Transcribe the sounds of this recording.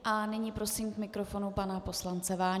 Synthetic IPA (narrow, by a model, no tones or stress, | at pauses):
ʔanɪɲiːpɾo̞siːmkmɪkɾofo̞nupanapo̞slant͡sɛvaː